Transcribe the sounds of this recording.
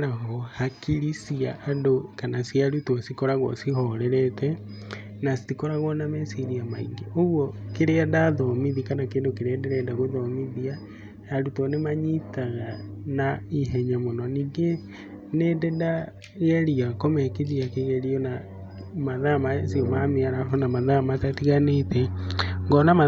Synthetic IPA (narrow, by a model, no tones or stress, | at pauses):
aɣohakiɾisiaʔːndokanasiaɾutosikoɾaɣwɔ̰sihɔɾɛɾɛtɛ | nasi̥tikoɾaɣwɔnamesiɾiamaḭŋɡeoɣwɔkeɾeadaðɔmiðikanakeːndokeɾeadeɾɛdaɣoðɔmiðia | jaɾutɔnemaɲitaɣanaiɦɛɲamonɔniːŋɡe | nededa | ɣeɾiakomɛkeðiakeɣeɾiɔna | maðamasiomameaɾaɦonamaðamatatiɣanetɛŋɡɔnama